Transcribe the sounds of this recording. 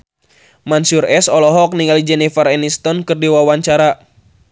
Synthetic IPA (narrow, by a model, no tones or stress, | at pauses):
mansurɛsɔlɔɦɔk̚niŋalid͡ʒɛnifaɾɛnist̪ɔnkɨrdiwawaɲt͡ʃaɾa